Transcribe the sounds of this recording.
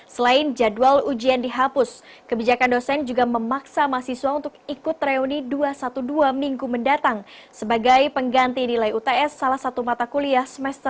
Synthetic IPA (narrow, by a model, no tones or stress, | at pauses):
səlaɪnd͡ʒadualud͡ʒiandiɦapʊskəbid͡ʒakandosɛnd͡ʒuɡaməmaksamasisuwaunt̪ʊk̚ikʊt̪ːɾeuniduasat̪uduamiŋɡuməndat̪aŋsəbaɡajpəŋɡant̪inilajut̪eɛsːalahsat̪umat̪akuliasəmɛst̪